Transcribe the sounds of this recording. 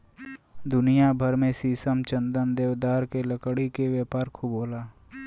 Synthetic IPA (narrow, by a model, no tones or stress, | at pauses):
d̪ʊnijabʱəɾmẽsiːsəmt͡ʃə̃nd̪ənd̪eːʋd̪aːɾkeləkɽikeʋjeːpaːɾkʰuboːlaː